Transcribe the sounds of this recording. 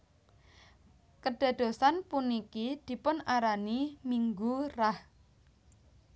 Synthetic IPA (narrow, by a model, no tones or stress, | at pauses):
kəɖ̥a̤d̪̥o̤sanpunikid̪̥i̤pʊnaɾanimiŋɡurah